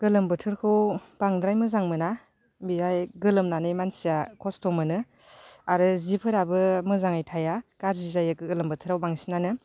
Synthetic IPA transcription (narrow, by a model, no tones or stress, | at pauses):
ɡ̥ɯlɯmbɯtʰɯɾkʰɯwb̥aŋdɾajmɯzaŋmɯna | biajɡɯlɯmnanɯjmansijakʰɔstɔmɯnɯ | aɾɯzipʰɯɾabɯmɯzaŋajtʰajakaɾzizajɯkɯɯlɯmbɯtʰɯɾawbaŋsinanɯ